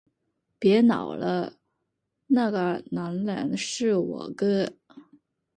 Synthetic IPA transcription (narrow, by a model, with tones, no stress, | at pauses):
pjɛ˧˥nɑ̰˨˩ʊlə˦ | na˥˩ɡə˨˩na˧˥nlə̰˧˥nʂɻ̩˥˩wɔ̰˨˩ɡə˥